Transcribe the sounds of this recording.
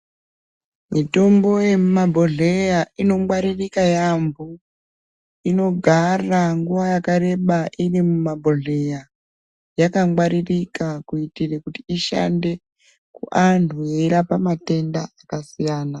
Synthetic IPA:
mito̞mbo̞je̞mumabʱoɮejaino̞mwaɾirikajambu | ino̞ɡʱaraŋɡuʋajakaɾe̞ɓaʔirimumabʱoɮeja | jakaŋwaɾirikakuitirekutiiʃa̰nde̞ | kṵʔantʰujeɾapamate̞ndaːkasijaːna

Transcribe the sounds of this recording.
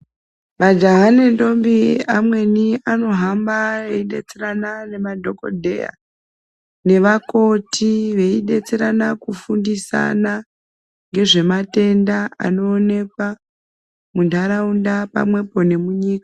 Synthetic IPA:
mad͡ʒaɦanendo̞mbiamwe̞niano̞ɦambaeiɗe̞̰t͡seranane̞madʱo̞ko̞̰dʱe̞̰ja̰ | ne̞ʋako̞tʰiʋe̞iɗe̞t͡seɾanakufundisa̰na | ŋɡe̞ʐe̞mate̞ndaa̰no̞ːne̞kwa | mundaɾaundapa̰mwe̞po̞ne̞muɲiːkḁ

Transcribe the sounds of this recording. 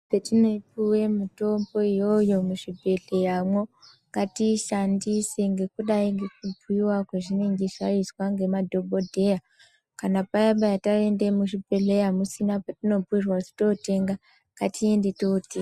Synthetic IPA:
setinoipuwe̞muto̞mbo̞ijo̞jo̞muʐibʱe̞ɮe̞ramwo̞ŋɡatiʃandise̞ŋɡe̞kuɗaiŋɡe̞k̚ubʱuiwakeʐineŋɡezarizwaŋɡe̞madʱo̞bʱo̞dʱe̞ja | kanapajaɓajatare̞nde̞muʐibʱe̞ɮe̞jamusinapatino̞buirwaʐito̞te̞ŋɡa | ŋɡ̥atie̞ndetoteɡ

